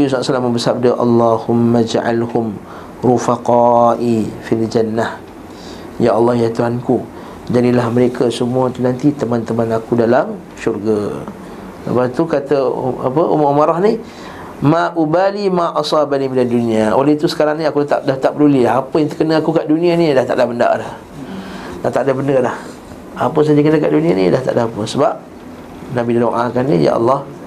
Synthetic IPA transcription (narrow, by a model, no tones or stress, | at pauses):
abislaʔsalambərsap̚daʔɑ̰lˤːɑhʊmːad͡ʒaʔa̰lhʊm | ɾufaqɑʔifild͡ʒanːah | jaʔɑlːɑhjat̪uɦanku | d͡ʒadilahməɾekəsəmũat̪unant̪it̪əmãnt̪əmãnakudalam | ʃurɡa | sə̰bat̪ukat̪ə̰a̰pəʔo̰maʔumaɾahnih | mãʔubalimãʔɑsˤɑbanimiladuniaoleit̪usə̥kaɾaŋnĩakut̪a̰ʔdaht̪aʔpəlulilaapəjaŋt̪əkənəakukaʔdunĩanilaht̪aʔdahbənda̰ʔlah | dat̪aʔdabəndəlah | apəsad͡ʒakənəkaʔdunĩanḭlaht̪a̰ʔdaapəsəbap̚ | nabidadoʔa̰kanːḭja̰ʔɑ̰lːɑh